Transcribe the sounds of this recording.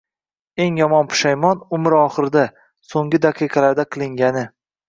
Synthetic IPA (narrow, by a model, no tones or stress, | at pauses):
e̞ŋjɒmɒnpʰʊ̥ʃajmɒnʊmɪɾɒχɨɾɪd̪a | soŋɡʲɪd̪aqʰɨjqʰɑlaɾd̪aqʰɨlˠɪŋɡʲanɪ